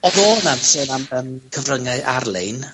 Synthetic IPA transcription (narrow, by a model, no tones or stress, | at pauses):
ɔðoːnansənaməːmkʰəvrəŋaʔarlˠɪn